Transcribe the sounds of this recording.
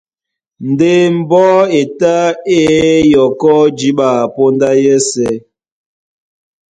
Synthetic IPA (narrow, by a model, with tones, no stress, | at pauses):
n̩˨de˦m̩˨bɔ˦e˨ta˦e˦jɔ˨kɔ˦d͡ʒi˦ɓa˨po˦nda˦jɛ˦sɛ˦